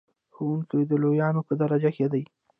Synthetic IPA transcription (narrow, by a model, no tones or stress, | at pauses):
xowuŋkəjd̪əlojɑnopəd̪aɾad͡ʒaked̪aj